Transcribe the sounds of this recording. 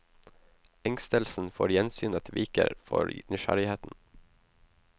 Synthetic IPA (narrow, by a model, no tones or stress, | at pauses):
ɛŋst̪əlsn̩foːɾjɛnsyːnət̪ʰʋiːkə̰ɾfɔ̰ɾnʏʃæɾɪheːt̪n̩